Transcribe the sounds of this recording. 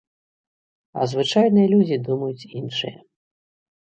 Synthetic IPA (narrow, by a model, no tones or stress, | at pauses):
ɐ̰zvɨt͡ʂajnɨjɐlʲud͡zʲid̪umɐjut͡sʲinʂɨjɐ̰